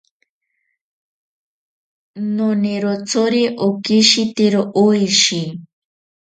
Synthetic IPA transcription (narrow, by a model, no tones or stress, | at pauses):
noneɾot͡sʰoɾeʔokiʃit̪eɾoʔojʃi